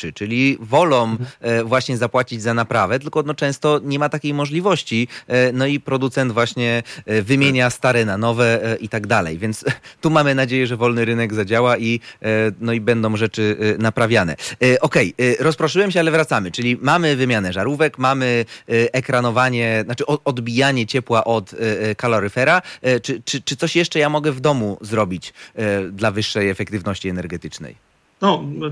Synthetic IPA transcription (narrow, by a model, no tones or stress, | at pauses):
ɘt͡ʂɘlʲivɔlɔ̃w̃vwaɕɲɛzapwat͡ɕid͡ʑzanapɾavɛt̪ɘlkɔnɔt͡ʂɛ̃w̃st̪ɔɲɛmat̪akʲejmɔʐlʲivɔɕt͡ɕinɔipɾɔd̪ut̪sɛnd̪vwaɕɲɛvɘmʲjeɲast̪aɾɛnanɔvɛʔit̪aɡd̪alɛ̰jvʲjɛnt̪st̪umamɘnad͡ʑejɛʐɛvɔlnɘɾɘnɛɡzad͡ʑawainɔibɛnd̪ɔ̃w̃ʐɛt͡ʂɘnapɾavʲjanɛ̰ʔɔkɛjɾɔspɾɔʂɘwɛmɕ̬ɛalɛvɾat̪samɘt͡ʂɘlʲimamɘvɘmʲjanɛʐaɾuvɛkmamɘʔɛkɾanɔvaɲɛnat͡ʂɘʔɔɔd̪bʲijaɲɛt͡ɕɛpwaʔɔt̪kalɔɾɘfɛɾat͡ʂɘt͡ʂɘt͡ʂɘt̪sɔɕjɛʂt͡ʂɛjamɔɡɛvd̪ɔmuzɾɔbʲit͡ɕd̪lavɘʂːɛjɛfɛkt̪ɘvnɔɕt͡ɕiɛnɛɾɡɛt̪ɘt͡ʂnɛ̰j | nɔ